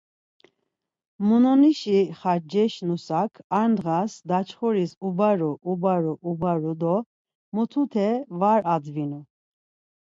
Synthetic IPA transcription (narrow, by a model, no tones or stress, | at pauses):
munɔniʃiχad͡ʒɛʃnusakʰaɾnʁasd̪at͡ʃʰχɔɾisubaɾuʔubaɾuʔubaɾud̪ɔ | mɔt̪ʰut̪ʰɛvaɾad͡zvinu